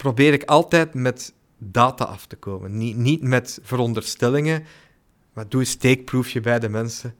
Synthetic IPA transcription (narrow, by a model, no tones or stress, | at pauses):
probɪːɾɪkɑlˠtɛːtmɛt | daːta̰ːʔɑftə̥koːmə̰ninitmɛtv̥əɾɔndərstɛlɪŋə | maːduənsteːk̚prufjəbɛjdəmɛnsə